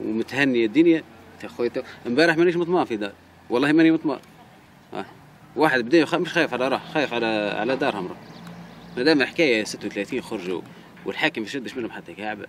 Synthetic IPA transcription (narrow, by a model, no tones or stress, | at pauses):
wmʊt̪hænːəjæd̪ːʊnja | t̪ixæt̪ʊʔəmbæɾəħmæniʃmʊt̪ˤmɑfid̪ɑɾˤ | wɑlˤːɑːhimænimʊt̪ˤmɑ̰ɾ̰ | waħəd̪bd̪æjxæmʊʃxæːjəfʕalæɾˤɑħxæjəfʕalæʕa̰læd̪ɑːɾˤhʊmɾˤu | ælæmæħkæːjæsɪt̪ːwt̪læt̪iːnxʊɾˤʒṵ | wəlħaːkəmfiʃʊd̪ːəʃmənhʊmħat̪ːækaʕbæ̰